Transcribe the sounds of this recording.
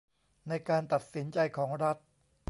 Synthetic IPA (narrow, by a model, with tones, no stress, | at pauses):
na˧jkaː˧nt̪a˨˩t̪̚si˩˦nt͡ɕa˧jkʰɔː˩˦ŋɾa˦˥t̪̚